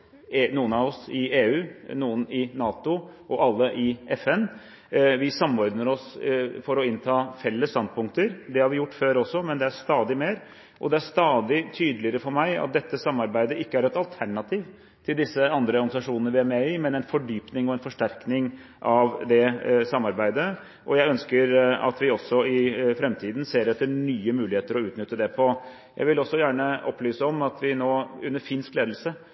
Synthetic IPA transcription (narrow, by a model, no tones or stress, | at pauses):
nuːənɑʋɔsɪeːʉːnuːənɪnɑːt̪ʊʔɔʔɑlːəʔɪɛfɛn | ʋɪsɑmːɔɾd̪nəɾɔsfɔɾɔɪnt̪ʰɑːfɛlːəst̪ɑnd̪̚pʰʊŋk̚t̪əɾd̪ɛhɑɾʋɪjʊʈːføːɾɔsːɔmɛnd̪ɛæɾʂt̪ɑːd̪ɪmeːɾ | ʔɔd̪ɛæʂt̪ɑːd̪ɪt̪ʰyːd̪əlɪəɾəfɔɾmæɪɑ̰t̪̚d̪ɛt̪ːəsɑmːɑɾbæɪd̪əɪkːəæɾɛt̪ɑlt̪ʰæɳɑt̪ʰiːʋ | t̪ʰɪld̪ɪsːəɑnd̪ɾəɔɾɡɑnɪsɑʂuːnənəʋɪæɾmɛɪmɛnɛɪnfɔɖyːpnɪŋɔɛnfɔʂʈæɾknɪŋ | ʔɑʋd̪ɛsɑmːɑɾbæɪd̪ə | ʔɔjæɪœnskəɾɑ̰t̪ʋɪɔsːɔɪfɾɛmt̪ʰiːd̪n̩seːɾɛt̪ʰːənyːəmʉːlɪheːt̪əɾɔʉːt̪nʏt̪ːəd̪ɛpʰɔ | jæ̰ɪʋɪlɔsːɔjæːɳəʔɔpːlyːsəɔmɑt̪ʰʋɪnoːʉnːəɾfɪnskleːd̪l̩sə